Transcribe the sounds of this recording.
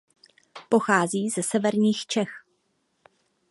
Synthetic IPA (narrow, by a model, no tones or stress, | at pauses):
po̞xaːziːzɛsɛvɛɾɲiːxt͡ʃɛx